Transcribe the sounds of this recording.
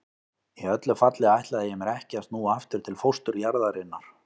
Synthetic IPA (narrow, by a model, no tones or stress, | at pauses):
iœt̪lʏfat̪lɪajht̪laðɪjɛmɛɾɛhcast̪nuaft̪ʏɾt̪ʰɪlfowst̪ʏɾjaɾðaɾɪnːaɾ̥